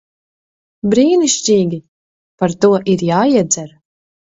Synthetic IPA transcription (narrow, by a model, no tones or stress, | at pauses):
bɾiːniʃt͡ɕʲiːɡʲi | paɾt̪uɔʔiɾjaːiɛd̪zɛɾ